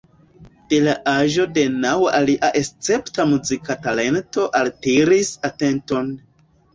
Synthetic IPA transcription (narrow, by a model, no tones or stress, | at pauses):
d̥e̞laʔaʒo̞de̞nawaliʔaʔe̞st͡se̞ptamuzikatale̞nto̞ʔaltiɾisate̞nto̞n